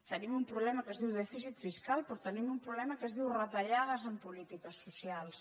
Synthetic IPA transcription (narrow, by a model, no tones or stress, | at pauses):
t̪ənimumpɾuβlɛmakəzðiwðɛfis̬it̪fiskalpɾot̪ənimumpɾuβlɛmakəzðiwrət̪aʎað̞əzəmpulit̪ikɐsːusjals